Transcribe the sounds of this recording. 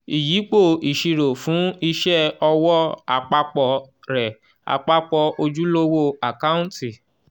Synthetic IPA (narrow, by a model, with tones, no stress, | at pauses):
i˨ji˨˦k͡po˦˨i˨ʃi˨˧ɾo˨fũ˨˦i˦ʃɛ˦ɔ˧wɔ˦a̰˨k͡pa˧k͡pɔ˧ | ɾɛ˨ | a̰˨k͡pa˧k͡pɔ˧o˧d͡ʒu˦lo˦wo˦a˨ka˦ũ˦ti˨